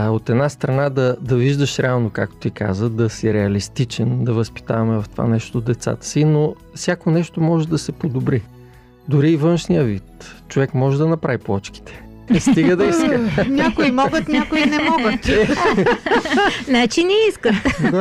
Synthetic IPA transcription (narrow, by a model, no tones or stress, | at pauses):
ot̪ɛd̪nast̪ɾɐnad̪ɐd̪ɐviʒd̪əʃɾɛalˠnokak̚t̪o̥t̪ika̰zəd̪ɐsiɾɛɐlist̪it͡ʃɛnd̪ɐvəspi̥t̪a̰vɐmɛvɐft̪o̥va̰nɛʃt̪od̪ɛt̪sa̰t̪ə̥sino | fsʲjakonɛʃt̪omɔʒɛd̪ɐsɛpod̪obɾi | d̪ʊɾiːvɤnʃnijəvit̪t͡ʃovɛkmɔʒɛd̪ɐnɐpɾaviplˠɔt͡ʃki̥t̪ʰɛ̥ | st̪iɡəd̪ɐiskənʲakoimɔɡət̪nʲakʊinɛmɔɡət̪ | nat͡ʃinɛiskət̪d̪a